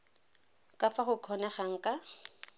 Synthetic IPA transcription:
kʼafaχʊkʰɔnɛχaŋ̩kʼa

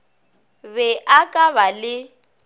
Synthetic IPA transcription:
βɛʔakʼaβalɪ

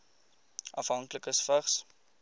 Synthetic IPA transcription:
ɐfɦɐŋkləkəsfəχs

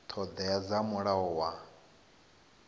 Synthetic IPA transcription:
t̪ʰɔd̪ajad͡zamuɺaɔwa

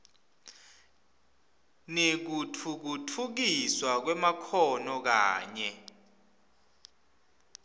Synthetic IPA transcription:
nek̬utʰuk̬utʰuk̬iswak̬wɛmakʰɔnɔk̬aːɲɛ

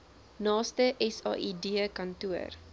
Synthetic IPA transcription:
nɑːstəʔɛsɑ̰ːʔidiəkɐntuər

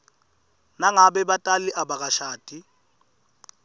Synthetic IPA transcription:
naŋaɓɛɓatʼaliʔaɓak̬ʼaʃaːd̥ʱʼi

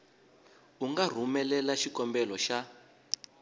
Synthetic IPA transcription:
uŋɡar̤umɛlɛlaʃikɔmbɛlɔʃa

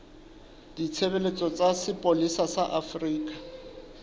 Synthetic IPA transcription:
d̥it͡sʰebelet͡sʼɔt͡sʼasɪpʼolisasaʔafriːkʼa

